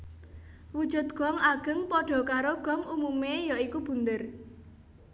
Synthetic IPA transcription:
wud̥ʒ̥ṳt̪̚ɡ̥ɔ̤ŋaɡ̥ə̤ŋpɔɖ̥ɔ̤kaɾoɡ̥ɔ̤ŋumumejɔikub̥ṳnd̪ər

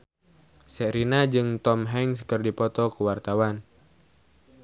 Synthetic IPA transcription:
sɛɾinad͡ʒɨŋt̪ɔmɦɛŋskɨrdipɔt̪ɔkuwart̪awan

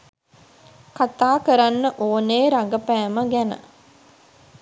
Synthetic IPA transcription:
kat̪aːkəɾanːəʔoːneːɾaŋɡəpæːməɡænə̰

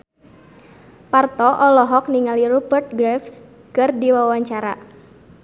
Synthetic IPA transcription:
part̪ɔʔɔlɔɦɔk̚niŋalirubərt̪̚ɡɾɛfs | kɨrdiwawaɲt͡ʃaɾa

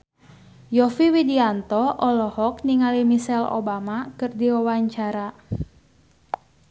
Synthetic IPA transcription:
jɔfiwidiant̪ɔʔɔlɔhɔkniŋalimisɛlo̰bamakɨrdiwawaɲt͡ʃaɾa

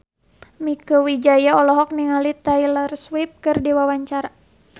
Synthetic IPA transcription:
mikəwid͡ʒajaɔlɔɦɔk̚niŋalit̪ailarswip̚kɨrdiwawaɲt͡ʃaɾa

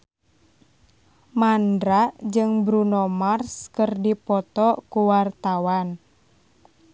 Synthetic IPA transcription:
mandɾad͡ʒɨŋbɾunɔmarskərdipɔt̪ɔkuwart̪awan

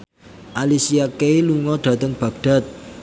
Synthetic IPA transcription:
ʔalisiakeiluŋɔɖ̪̥ä̤t̪əŋb̥ä̤ɡ̚ɖ̥a̤t̪̚

